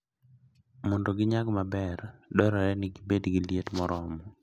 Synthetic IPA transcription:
mɔndoɡɪɲaɡmabɛrdɔɾɔɾɛnɪɡibedɡɪljetmɔɾɔmɔ

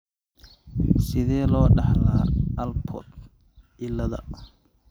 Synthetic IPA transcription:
sɪðɛːlɔːɖɑħlaːʔɐlpʰɔ̰d̪ | ʔɪlɐðɐ̰

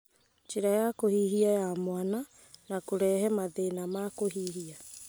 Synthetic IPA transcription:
t͡ʃiɾajakohiɦiajamwana | nakoɾɛɦɛmaðenamakoɦiɦia

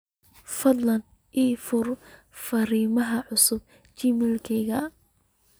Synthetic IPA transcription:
fɐd̪lɐn | ʔiːfʊr | fɐriːmɐɦɐʕʊsʊb̚ | t͡ʃɪmɪlkʰɛjɣɐ

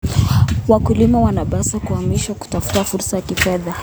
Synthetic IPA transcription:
wakulimawanaɓasakuamiʃaku̥tafu̥tafuɾsajakifɛða

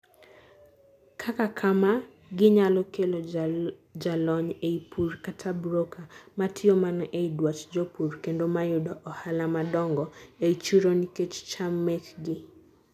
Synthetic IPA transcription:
kʰakakʰama | ɡɪɲalɔkelo | d͡ʒalɔɲeipʰurkatʰabɾokʰamatʰɪɔmanɔʔeidwat͡ʃd͡ʒɔpurkendomajʊdɔʔɔhalamadɔŋɡɔeit͡ʃuɾoniket͡ʃt͡ʃamɛkɡɪ

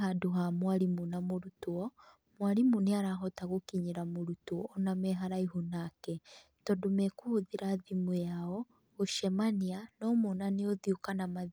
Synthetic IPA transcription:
ɦaduɦamwaɾimunamoɾutuɔ | mwaɾimuneaɾaɦɔtaɣokiɲiɾamoɾutuɔnamɛɦaɾaiɦunakɛ | tɔdumɛkuhuðiɾaðimujaɔ | oʃɛmanianɔmunaneoðjukanama

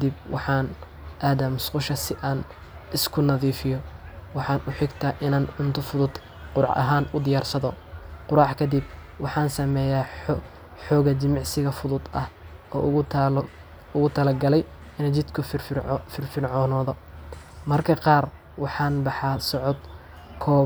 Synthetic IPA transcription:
kʰd̪ib̚wɑ̰ħɑːn | ʔaːðamʊsqʊʃɐsɪʔaːn | ɪskʰʊnɐðiːfɪjɔwɑħɑːnʔʊħɪɡt̪ʰaːʔɪnaːnʕʊnt̪ʰʊfʊðʊd̪ | qʊɾɑʕɐ̰ɦaːnʊd̪ɪjaːrsɐðɔqʊɾɑːħkʰɐd̪ib | wɑħɑːnsɐmɛːjaː | ħɔːɣɐt͡ʃɪmɑʕsɪɣɐfʊðʊd̪ɐ̰h | ɔ̰ː | ʊɣʊt̪ʰɐlɐɡɐlɛj | ɪnɛt͡ʃɪd̪kʰʊfɪrfɪnʕɔːnɔːðɔ | mɐrkʰɐqɑːr | wɑħɑːnbɑħɑːsɔʕɔd̪ | kʰɔː

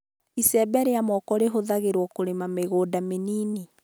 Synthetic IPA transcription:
isɛbɛɾeamɔkɔɾeɦoðaɣeɾwɔkoɾemameɣoːdameniːni

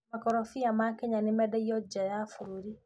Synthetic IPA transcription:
makɔɾɔfiamakɛɲanɪmɛdɛiɔd͡ʒajafuɾuɾi

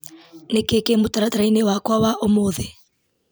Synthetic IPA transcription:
nɛkɛkemʊtaɾataɾainɛwakwawaʔomʊːðɛ

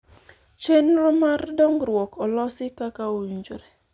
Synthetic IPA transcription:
t͡ʃenɾɔmardɔŋɾwɔkʰɔlɔsɪkakaojuɲd͡ʒo̰ɾɛ

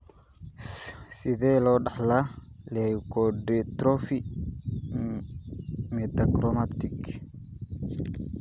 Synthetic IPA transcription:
sɪðɛːlɔːɗɑħlalɛjkɔɖɛt̪ɾɔfi | mɛt̪akɾɔmat̪ɪk

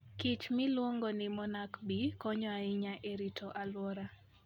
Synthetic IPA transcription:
kɪt͡ʃmɪlwoŋɡonɪmɔnakbikɔɲɔaɪɲaʔeɾitʰoʔalwɔɾa

